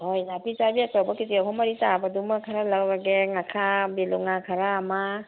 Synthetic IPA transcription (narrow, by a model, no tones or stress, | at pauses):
hojnapit͡ʃabiakawbakitiakʰɔmaɾitabadumakʰaɾalawbaɡeŋakʰabeluŋakʰaɾaːma